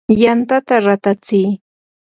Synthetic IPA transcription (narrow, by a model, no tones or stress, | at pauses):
jant̪at̪aɾat̪at͡sij